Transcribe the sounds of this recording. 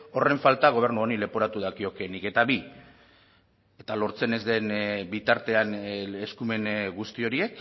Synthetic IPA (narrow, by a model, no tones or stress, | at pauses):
o̞re̞ɱfalt̪aɣ̞o̞β̞e̞ɾnuonile̞po̞ɾat̪uðakio̞ke̞nike̞t̪aβi | e̞t̪alo̞ɾt͡se̞ne̞zd̪e̞nbit̪aɾt̪e̞aneskume̞nɣust̪io̞ɾie̞k